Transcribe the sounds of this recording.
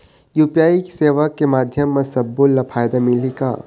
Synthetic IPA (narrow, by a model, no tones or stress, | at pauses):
juːpijaːiki̥seːʋəkːemaːd̪ʱjəmːesɐbːolːɐpʰaːjd̪amɪlika̰ː